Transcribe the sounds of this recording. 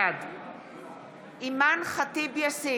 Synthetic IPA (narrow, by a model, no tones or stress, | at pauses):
ad | ʔimanχat̪ibjasi